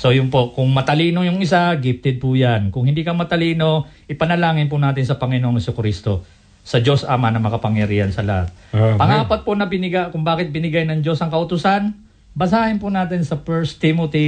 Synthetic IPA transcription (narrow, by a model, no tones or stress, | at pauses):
so̞jʊnpo̞ʔkʊŋmɐt̪ɐliːnojʊŋɪs̬aɡɪp̚t̪ɛd̪̚pʊjankʊŋhɪnd̪iːkɐmɐt̪ɐliːno̞ʔɪpɐnɐlaːŋɪnp̬ʊnaːt̪ɪnsɐpɐŋɪnoʔoŋɪsokɾist̪o̞ | sɐd͡ʒo̞sʔa̰manɐmɐkɐpɐŋjɐɾiːhɐnsɐlɐha̰t̪̚pɐŋaːpot̪̚ponɐbɪnɪɡakʊŋbaːkɪt̪̚bɪnɪɡajnɐŋd͡ʒo̞sɐŋkɐʔʊt̪ʊsan | bɐs̬aːhɪnpʊnaːt̪̬ɪnsɐfɛɹst̪ɪmot̪i